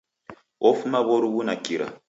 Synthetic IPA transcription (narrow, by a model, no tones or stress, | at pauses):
ɔfumaβɔɾuwunakiɾa̰